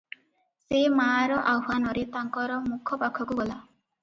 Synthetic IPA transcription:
semaɾɔʔawɦanɔɾet̪aŋkɔɾɔmukʰɔpakʰɔkuɡɔla

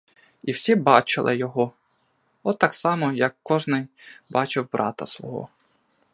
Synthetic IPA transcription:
iwsʲibɑt͡ʃɪlˠɪjɔɦɔ | ɔt̪ːɑksɑmɔjɐkːɔʒnɪjbɑt͡ʃɪwbɾʔɑ̰t̪ɐ̰sʋɔ̰ɦɔ̰

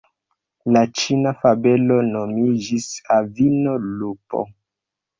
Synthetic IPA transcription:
lat͡ʃinafabe̞lo̞no̞mid͡ʒisavino̞lupo̰

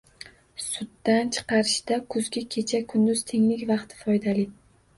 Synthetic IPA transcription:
sʊd̪ːant͡ʃʰɨ̥qɑɾɪʃd̪akʰʊzɡʲɪkʲʰe̞t͡ʃʰakʰʊnd̪ʊz̥t̪ʰeŋlɪkʲvɑqt̪ʰɪ̥fɒjd̪alɪ

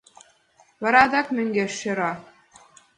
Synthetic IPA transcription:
βɑɾɑd̪ɑkmɘ̆ŋɡeʃːĕɾɑ

